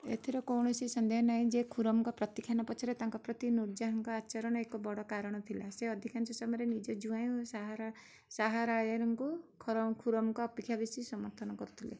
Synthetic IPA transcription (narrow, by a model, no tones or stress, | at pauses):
ḛt̪ʰiɾɔkɔwɳɔsisɔnd̪eɦɔnaɦĩd͡ʒekʰuɾɔmɔŋkɔpɾɔt̪ikʰjanɔpɔt͡ʃʰɔɾet̪aŋkɔpɾɔt̪inuɾd͡ʒaɦɔŋkɔat͡ʃɔɾɔɽ̃ɔekɔbɔɽɔkaɾɔɽ̃ɔt̪ʰilaseɔd̪ʱikʰant͡ʃʰɔsɔmɾenid͡ʒɔd͡ʒuaj̃usaɦaɾ | saɦaɾajɔɾɔŋkukʰɔɾkʰuɾɔmɔŋkɔːpikʰːjabisisɔmɔɾt̪ʰɔnɔkɔɾut̪ʰilḛ